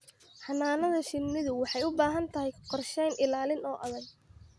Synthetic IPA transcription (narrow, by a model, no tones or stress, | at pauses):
ħɑnːaːnɐðɐʃɪnːɪðʊwɑħɑjʊbaːɦɐnt̪ʰɐɦɛjqɔrʃɛjnʔɪlaːlɪnɔːʔɐðɐɡ̚